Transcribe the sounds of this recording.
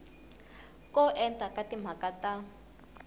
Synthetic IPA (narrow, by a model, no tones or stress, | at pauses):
kɔʔɛntʼakatim̤akata